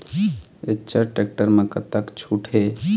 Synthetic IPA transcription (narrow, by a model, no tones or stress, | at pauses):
et͡ʃəʈek̚ʈəɾmekət̪ːəkt͡ʃʰuʈʰe